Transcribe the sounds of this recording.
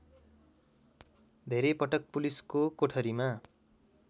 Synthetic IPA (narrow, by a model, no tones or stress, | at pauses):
d̪ʱeɾepʌʈʌk̚puliskokoʈʰʌɾima